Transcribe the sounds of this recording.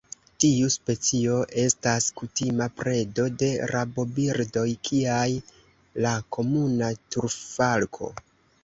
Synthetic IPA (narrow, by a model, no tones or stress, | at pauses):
tiuspe̞t͡sio̞ʔe̞staskutimapɾe̞do̞de̞ɾabo̞biɾdo̞jkʰiaj | lako̞munatuɾfalkʰo̞̰